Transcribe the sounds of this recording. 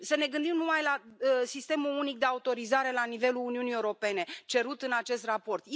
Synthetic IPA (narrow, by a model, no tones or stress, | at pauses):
səne̞ɡɨnd̪imnumajlasist̪e̞mulunik̚d̪e̞aut̪o̞ɾizaɾe̞lanive̞luːniunijeuɾo̞pe̞ne̞t͡ʃe̞ɾut̪ɨnat͡ʃe̞st̪rapo̞rt̪j